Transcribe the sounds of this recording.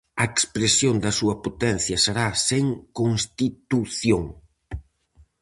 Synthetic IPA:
ɐekspɾesjond̪ɐsuɐpot̪ɛn̟θjɐseɾaseŋkonst̪it̪uθjoŋ

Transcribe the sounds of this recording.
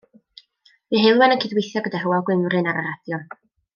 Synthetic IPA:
miɦɪlˠwanənkʰɪdwejθjɔɡədaɦuwaɡwɪmrɨnaɾaɾad̥jɔn

